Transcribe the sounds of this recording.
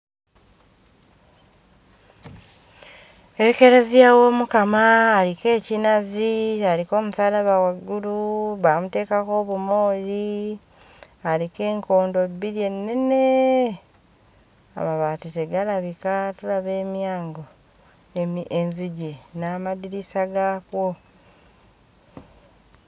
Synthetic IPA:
eke̞ɾezijawo̞ːmukamaːlike̞ːcinazialiko̞ːmusaːlaβawaɡːuluβamute̞ːkako̞βumo̞ːɾi | alike̞ːŋko̞ːndo̞bːiɾje̞nːene | a̰maβaːtiteɡalaβikatulaβe̞ːmjaːŋɡo̞ | enziɟenaːmaðiɾisaɡaːkwo̞

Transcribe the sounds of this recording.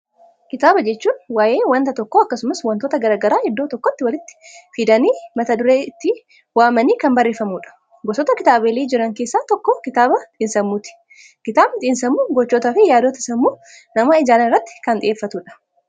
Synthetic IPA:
kɪt̪aːbɐd͡ʒɛt͡ʃːuːnwaːje̞ːwɐnt̪ɐt̪ɔkːoːɐkːɐsʊmɐswɐnt̪oːt̪ɐɡɐɾaːɡɐɾaːhɪd̪ːo̞ːt̪ɔkːɔt̪ːɪwɐlɪt̪ːɪ̥fiːd̪ɐniːmɐt̪ɐd̪ʊɾeːt̪ːɪ | waːmɐniːkɐmbɐrːeːfɐmuːᶑɐ̥ | ɡɔsɔt̪ɐkɪt̪aːbeːliːd͡ʒɪɾɐŋke̞ːsːaːt̪ɔkːɔkɪt̪aːbɐt̪iːnsɐmːuːt̪ɪ̥ | kɪt̪aːbt̪ʼiːnsɐmːuːɡɔt͡ʃːoːt̪aːfɪjaːd̪oːt̪ɐɪsɐmːuː | nɐmaːɪd͡ʒaːlɐɪrːɐt̪ːɪ̥kɐnd̪ɪ̰ʔeːfːɐt̪uːᶑɐ̥

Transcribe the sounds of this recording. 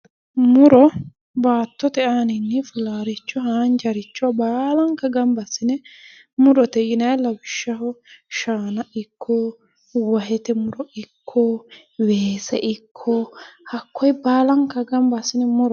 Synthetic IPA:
mʊɾɔ | baːt̪ːɔt̪ɛʔaːnɪnːɛfɪlaːɾɪt͡ʃːɔɦaːnd͡ʒɐɾɪt͡ʃːʊwɐbaːlɐŋkːɐɡɐmbɐsɪnɛ | mʊɾɔt̪ɛjɪnɐjlɐwɪʃːɐhɔʃaːnɐɪkʰːoː | wɐɦɛt̪ɛmʊɾɔɪkʰːoː | weːsɛʔɪkʰːɔhɐkʰːɔjbaːlɐŋkːɐɡɐmbɐsːɪnɛmʊɾɔ

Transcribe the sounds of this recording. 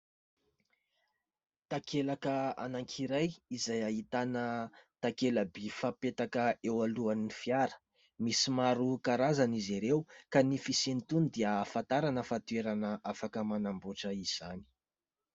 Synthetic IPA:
t̪akelakəa̰naŋkʰiɾajizajaɦit̪anət̪akeləbifapet̪akəewaluanifiaɾə̥ | misimaɾukaɾazaniziɾewkanifisenit̪unid̪eəːfant̪aɾanəfat̪ueɾanəʔafakəmanamboʈ͡ʂəiz̥ani̥

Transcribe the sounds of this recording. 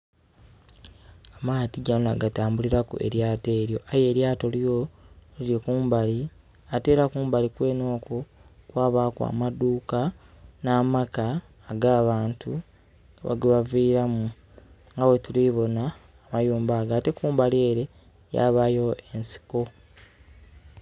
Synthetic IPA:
amaːtiɟanoaɡataːmbuliɾakṵʔe̞̰ɾjaːte̞ːɾjo̞ʔaje̞ːɾjaːto̞ljolilikuːmbali | ate̞ːɾakuːmbalikwe̞ːno̞ːkokwaːβaːkwa̰ːmaduːka | naːmakaː | ɡaːβaːntʰu | βa̰ɡeβaviːɾamu | ŋɡawetuliβo̞naː | majuːmbaːɡaːte̞kuːmbalie̞ːɾe̞ | ja̰βajo̞ʔensi̥ko

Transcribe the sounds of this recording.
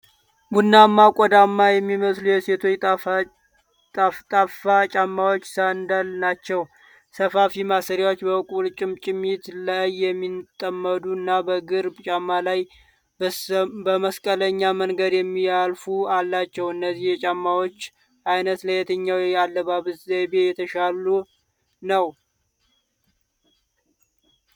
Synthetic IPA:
ɡunːamːakʼɔd̪amːajɛmːiməslujɛse̞t̪ʰo̞ | t̪ʼat̪ʼafat͡ʃʼamːawo̞t͡ʃːsand̪alnat͡ʃːɛw | səfafimasəɾjawo̞t͡ʃːbəkʼult͡ʃʼɪmt͡ʃʼɪmit̪lajːɛmːit̪ʼəmːəd̪uɨnːabəɡɨɾbt͡ʃʼamːalaj | bəməskʼələɲːaməŋɡəd̪jɛmːijalfualːat͡ʃːɛwɨnːəzːihjɛt͡ʃʼamːawo̞t͡ʃː | ʔajnət̪ləjɛt̪ʰəɲːawjalːəβaβɨzebejɛt̪ʰəʃalu | nəw

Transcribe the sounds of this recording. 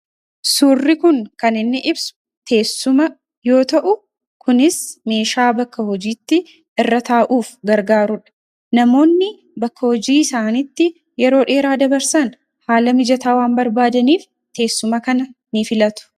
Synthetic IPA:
suːrːɪkʊŋkɐnɪnːɪʔɪbsʊ̥ | t̪ʰe̞ːsːʊmɐ | jo̞ːt̪ɐʔʊ | kʊnɪsme̞ːʃaːbɐkːɐhɔd͡ʒiːt̪ːɪ | ɪrːɐt̪aːʔuːfɡɐɾɡaːɾʊᶑɐ̥ | nɐmo̞ːnːɪ | bɐkːɐhɔd͡ʒiːɪsaːnɪt̪ːɪ | jɛɾo̞ːᶑe̞ːɾaːd̪ɐbɐɾsɐn | haːlɐmɪd͡ʒɐt̪aːwaːmbɐɾbaːd̪ɐniːf | t̪e̞ːsːʊmɐkɐnɐnɪfɪlɐt̪ʊ̥

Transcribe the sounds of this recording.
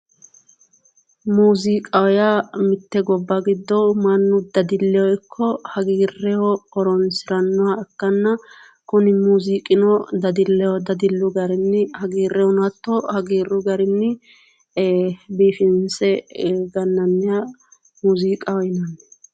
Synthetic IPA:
muːzikʼɐwɔjamɪt̪ːɛɡɔbːɐɡɪd̪ːɔwmɐnːʊd̪ɐd̪ɪlːɛwɔjkʰːɔhɐɡiːrːɛjɔɔɾɔnsɪɾɐnːʊwaɛkːɐnːɐ | kʊnɪmuːzikʼɪnɔd̪ɐd̪ɪlːɛwɔd̪ɐd̪ɪlːʊɡɐɾɪnːɪhɐɡiːrːɛɔnɐt̪ːɔhɐɡiːrːʊɡɐɾɪnːɪ | biːfɪnsɛɡɐnːɐnːɪja | muːzikʼɐwɔjnɐnːɛ

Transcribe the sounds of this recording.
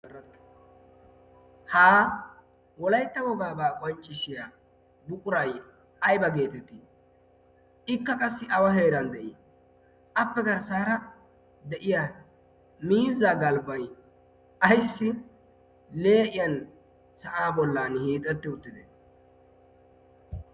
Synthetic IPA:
haː | wɔlɐjt̪ːɐwɔɡaːbaːkʼɔnt͡ʃʼːɪʃɪja | bʊkʼʊɾɐj | ɐjbɐɡe̞ːt̪ɛt̪ːɪ | ʔɪkːɐkʼɐsːɪʔɐwɐɦe̞ːɾɐnd̪ɛʔɪ | ʔɐpːɛɡɐɾsaːɾɐ | d̪ɛʔɪja | miːzaɡɐlbɐj | ʔɐjsːɪ | le̞ːʔɪjɐn | sɐʔaːbɔlːaːnhiːt̪ʼːɛt̪ːɪʊt̪ːɪd̪ɛ

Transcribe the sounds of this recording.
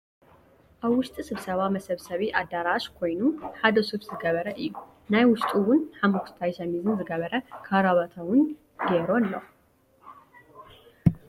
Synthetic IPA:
ʔaβwʊʃt̪ʼisɨβsɐβamɐsɐβsɐβiʔad̪aɾaʃkʰo̞jnuħad̪ɐsuβz̥ɨɡɐβɐɾɐʔɨjːu | najwʊʃt̪ʼiwʊnħamukt̪ʰajʃɐmizɨnzɨɡɐβɐɾɐkʰaɾaβat̪ʰɐwʊn | d̪eɾonlːo

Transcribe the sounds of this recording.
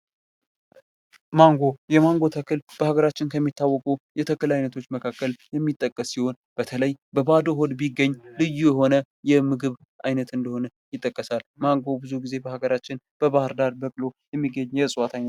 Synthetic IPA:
maŋɡo̞jɛmaŋɡo̞t̪ʰəkɨlb̥əhaɡəɾat͡ʃːɪnkʰəmːit̪ʰːawːɔkʼujɛt̪ʰəkɨlajnət̪ʰo̞t͡ʃːməkʰakːəljɛmːit̪ʼːəkʼːəsːiho̞n | b̥ət̪ʰələjbəbad̪oɦod̪biɡːəɲːlɨjːujɛɦo̞nə | jɛmɨɡɨβ | ajnət̪ɨnd̪əho̞nə | jɪt̪ʼːəkʼːəsalmaŋɡo̞bɨzuɡize̞bəhaɡəɾat͡ʃːɪn | b̥əβahɨɾd̪aɾbəkʼlo̞jɛmːiɡːəɲːjɛsʼwat̪ʰajn

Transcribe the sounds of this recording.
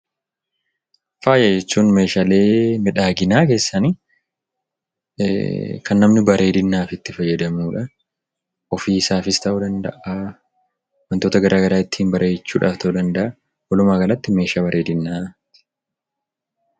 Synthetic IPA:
faːjɐd͡ʒɛt͡ʃːuːnme̞ːʃale̞ːmɪᶑaːɡɪnaːke̞ːsːɐni | kʰɐnːɐmnɪbɐɾe̞ːd̪ɪnːaːfɪt̪ːɪfɐjːɛd̪ɐmuːᶑɐ | ɔfiːsaːfɪst̪ɐʔuːd̪ɐnd̪ɐ̰ʔa | wɐnt̪o̞ːt̪ɐɡɐɾʔaːɡɐɾaːɪt̪ːɪ̥hɪnbɐɾʔe̞ːt͡ʃːuːᶑaːft̪ʰɐʔuːd̪ɐnd̪ɐʔɐ | wɔlʊmaːɡɐlɐt̪ːɪme̞ːʃaːbɐɾʔe̞ːd̪ɪnːat̪

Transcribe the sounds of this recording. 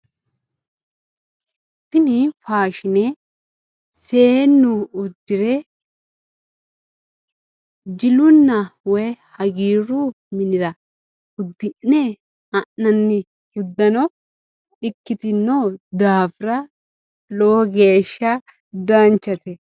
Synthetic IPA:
t̪ːɪnifaːʃɪnɛ | seːnːʊʊd̪ːɪɾɛ | d͡ʒɪlʊnːɐwɔjhɐɡiːɾu | mɪnɪɾɐ | ʊd̪ːɪnːe | ɐnːɐnːɪ | ʊd̪ːɐnɔ | ɗɪkːɪt̪ɪnːoːd̪aːfɾɐ | loɡe̞ːʃːɐ | d̪ant͡ʃːɐt̪ɛ

